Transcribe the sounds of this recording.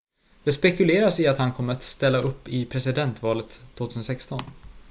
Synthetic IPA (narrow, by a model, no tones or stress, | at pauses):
d̪̥ɛspɛkɵleːɾasɪat̪hankʰɔmːəɾat̪st̪ɛlːaʔɵpːɪpʰɾɛsɪd̪ɛnt̪vɑːlət̪ʰːvoːt̪ʰʉsənsɛkst̪ɔn